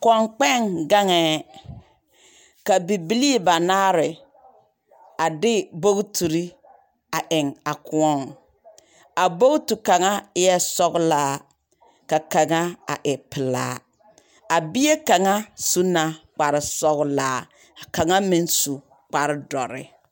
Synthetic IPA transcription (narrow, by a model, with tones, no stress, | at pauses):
kɔ˨ŋk͡pɛ˦˨ŋɡa˦ŋɛː˦ | ka˨bi˨bi˦li˦˨ba˨naː˦ɾɪ˨ | a˨dɪ˦bo˦ɣtu˨ɾi˦ | a˨ʔɪ˨ŋa˨kʊ˨ɔ˦˨ŋ | a˨bo˦ɡtu˨ka˨ŋa˦ɪ˦jɛ˦sɔ˦ɣlaː˦ | ka˨ka˨ŋa˦a̰˨ʔɪ˨pɪ˨la̰ː˦ | a˨bi˦e˦ka˨ŋa˦su˦na˨k͡pa˨ɾɪ˨sɔ˦ɣlaː˦ | a˨ka˨ŋa˦mɪ˦nsu˨ | k͡pa˨ɾɪ˦dɔ˨ɾɪ̰˨